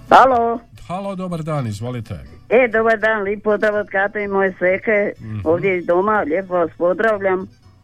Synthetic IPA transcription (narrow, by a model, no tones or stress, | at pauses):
halo | halod̪obaɾd̪aːnizʋolit̪ʰḛ | ed̪obaɾd̪aːnliːpːozd̪ɾaʋot̪kat̪eimojesekeoːʋd̪jeid̪omaʎepoʋaspozd̪ɾaʋʎam